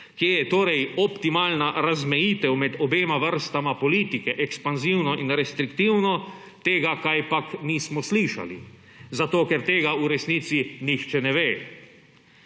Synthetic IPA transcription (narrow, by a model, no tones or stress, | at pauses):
kiejɛt̪oːɾɛjɔpt̪imaːlnaɾazmɛjiːt̪ɛwmɛd̪ɔbeːmaʋəɾst̪amapɔliːt̪ikɛʔɛkspanziwnɔʔinɾɛst̪ɾikt̪iːwnɔ | t̪eːɡakajpakniːsmɔsliːʃa̰lḭ | zat̪oːkɛɾt̪eːɡauɾɛsniːt̪sinixt͡ʃɛnɛʋeː